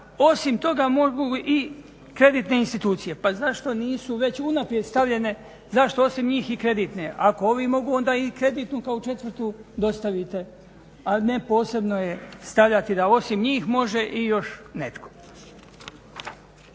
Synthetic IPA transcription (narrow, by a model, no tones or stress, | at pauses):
o̞simt̪o̞ɡamoɡuʔi | kɾe̞d̪iːt̪ne̞inst̪it̪uːt̪sije̞pazaʃt̪o̞niːsuʋe̞t͡ɕunapɾije̞d̪st̪aʋʎe̞ne̞ | zaʃt̪o̞o̞simɲiːxikɾe̞d̪iːt̪ne̞ʔako̞oʋimo̞ɡuo̞nd̪aːikɾe̞d̪iːt̪nukaot͡ʃe̞t̪ʋɾ̩t̪ud̪o̞st̪aʋit̪e̞ | anepo̞ːse̞bno̞je̞st̪aʋʎat̪id̪ao̞simɲiːxmo̞ʒe̞ʔijo̞ʃne̞t̪kʰo̞̥